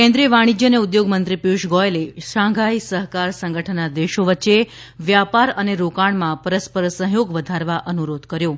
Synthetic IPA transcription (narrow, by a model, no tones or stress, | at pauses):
kɛ̃nd̪ɾijəʋaɽ̃id͡ʒjəneud̪joɡmənt̪ɾipjuʃɡɔeleʃãɡʱaisəɦkaɾsə̃ŋɡʱəʈʰənad̪eʃoʋətːʃe | ʋjapaɾəneɾokaɳmãpəɾəspəɾsə̃ɦjoɡʋəd̪ʱaɾʋaʔənuɾod̪kəɾjo